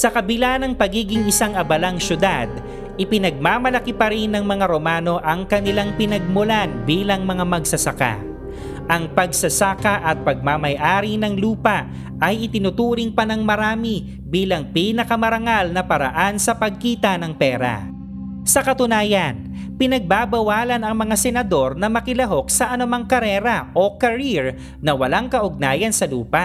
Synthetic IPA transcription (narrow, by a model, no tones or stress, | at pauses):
sɐkɐbɪlanɐŋpɐɡiːɡɪŋɪsaŋɐbɐlaŋʃʊd̪ad̪̚ | ʔɪpɪnɐɡ̚maːmɐlɐkipɐɾɪnːɐŋmɐŋaɾo̞maːno̞ʔɐŋkɐnɪlaŋpɪnɐɡ̚mʊlanbiːlɐŋmɐŋamɐɡsɐsɐka̰ | ʔɐŋpɐɡsɐsaːkaʔɐt̪̚pɐɡ̚mamɐjʔaːɾinɐŋluːpaʔ | ɐjʔɪt̪ɪnʊt̪uːɾɪŋpɐnɐŋmɐɾaːmi | biːlɐŋpinɐkɐmɐɾɐŋalnɐpɐɾɐ̰ʔansɐpɐɡ̚kiːt̪ɐnɐŋpɛːɾa̰ | sɐkɐt̪ʊnaːjɐn | pɪnɐɡ̚baːbɐwaːlɐnɐŋmɐŋasɛnɐd̪o̞ɾnɐmɐkɪlɐɦo̞k̚sɐʔɐnʊmaŋkɐɾɛːɾɐʔo̞kɐɾiɹ | nɐwɐlaŋkɐʔʊɡ̚naːjɐnsɐluːpa